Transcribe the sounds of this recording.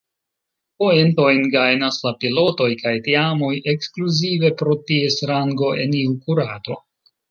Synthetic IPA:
poento̞jnɡajnaslapilo̞to̞jkajtiamo̞jʔe̞kskluzive̞pɾo̞tie̞sɾaŋɡo̞ʔe̞̰niukuɾato̞

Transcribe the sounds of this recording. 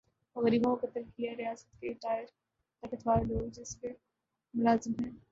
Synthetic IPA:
ɣɐɾiːbõkɐt̪ɐɾkiijaɾɪjaːsə̥t̪keɪʈaːjəɾ | t̪ɐkɪt̪ʰʋaːɾloːd͡ʒɪske | mʊlaːzɪmɦɛ̃ː

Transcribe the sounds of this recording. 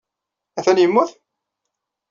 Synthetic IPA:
æθænjəmːʊθ

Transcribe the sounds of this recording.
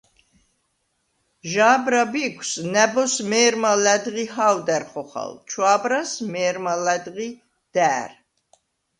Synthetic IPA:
ʒaːbɾabikʷʰsnɛbɔsmɛːɾmalæd̪ɣiɦaːwd̪ɛɾχɔχa̰lt͡ʃʰwaːbɾasmɛːɾmalɛd̪ʁi | d̪̥æːɾ

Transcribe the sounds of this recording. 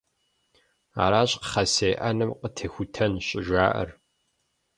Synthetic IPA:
a̰ːɾaːɕʼqə̥χɐseːʔɐnɨmqətʰexʷʊtʰɐnɕʼɪʒʷaːʔɐ̰r

